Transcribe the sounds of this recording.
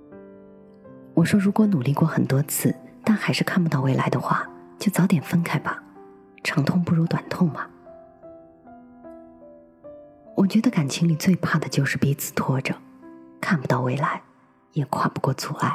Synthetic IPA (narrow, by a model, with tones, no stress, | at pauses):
wɔ˨˩ʂwɔ˥ɻu˧˥kwɔ˧˥nu˨˩li˥˧kwɔ˥˩xə˨˩nt̪wɔ˥t͡sʰɹ̩˥˩t̪a˥˩nxa˧˥ɪʂɻ̩˥˧kʰa˥˩npu˧˥t̪ɑ˥˧ʊwe˧˥ɪla̰˧˥ɪd̪ə˧xwa̰˥˩t͡ɕjo˥˩ʊt͡sɑ˧˥ʊt̪jɛ˨˩nfə˥nkʰa˥˩ɪbɐ˨˩ | ʈ͡ʂʰɑ˧˥ŋt̪ʰʊ˥˧ŋpu˥˩ɻu˧˥t̪wa˨˩nt̪ʰʊ˥˩ŋbɐ˩ | wɔ˨˩t͡ɕɥɛ˧˥d̪ə˧ka˨˩nt͡ɕʰi˧˥ŋli˨˩t͡swe˥˧ɪpʰa˥˩d̪ə˩t͡ɕjo˥˧ʊʂɻ̩˥˩pi˧˥t͡sʰɹ̩˨˩t̪ʰwɔ˥ʈ͡ʂə˩kʰa˥˩npu˩t̪ɑ˥˧ʊwe˧˥˩ɪla˧˥ɪ | jɛ˨˩kʰwa̰˥˩pu˧kwɔ˥˩t͡su˨˩a̰˥˩ɪ